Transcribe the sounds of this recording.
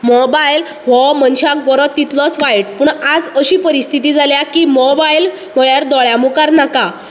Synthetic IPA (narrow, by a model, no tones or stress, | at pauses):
mɔbajl | ʋɔmənɕakɡɔɾɔt̪ːit̪lɔt͡sʋajʈpuːɳad͡zəɕiːpəɾist̪ʰit̪iːd͡zaljakiːmɔbail | m̤əɭjaɾd̪ɔɭjamukaɾnaka